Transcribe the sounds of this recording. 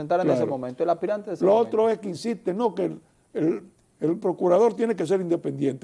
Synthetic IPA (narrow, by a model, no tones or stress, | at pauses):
ent̪aɾelneasemomẽnt̪oelapiɾant̪eðesloot̪ɾoe̞skeinsist̪eno̞ke | el | elpɾo̞kuɾað̞o̞ɾt̪jenek̬e̞s̬e̞ɾind̪epend̪jent̪e